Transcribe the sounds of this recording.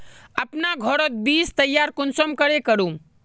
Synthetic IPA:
əpnaɡʱɔɾət̪̚biːst̪ɐjːaːɾkʊnsəmkəɾekəɾũ

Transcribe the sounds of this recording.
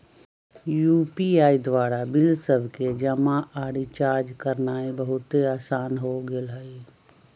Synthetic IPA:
juːpiaːid̪ʋaːɾabɪlsəbʱked͡ʒəmaaːɽit͡ʃaːɾd͡ʒkəɾnaːebəɦʊt̪eaːsaːnɦoɡɪlɦəi

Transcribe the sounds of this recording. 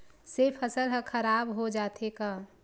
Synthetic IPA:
sefʰəsəlɦə̃kʰəɾaːbɦod͡ʒaːt̪ʰekaː

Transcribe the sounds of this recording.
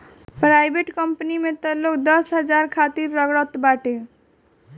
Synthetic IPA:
pɾajbʱeʈkʌmpnimet̪ʌlokd̪ʌsɦəd͡ʒaɾkʰat̪iɾːʌɡɽɔt̪baʈe

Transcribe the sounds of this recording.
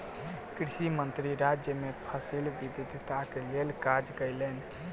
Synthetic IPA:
kɾisimənt̪ɾiɾad͡ʒjəmepʰəsilbibid̪ʱt̪akelelkad͡ʒkəjlen

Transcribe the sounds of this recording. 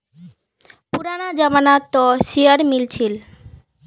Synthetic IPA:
puɾanad͡ʑamanat̪ɔʃiaɾmilt͡ɕʰil

